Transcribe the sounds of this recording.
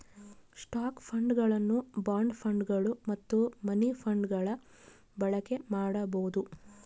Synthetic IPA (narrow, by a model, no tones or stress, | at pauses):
sʈaːkpʰɐɳɖɡɐɭɐnːubaːɳɖpʰɐɳɖɡɐɭumɐt̪ːumɐnipʰɐɳɖɡɐɭɐ | bɐɭɐke̞maːɽɐbɐɣud̪u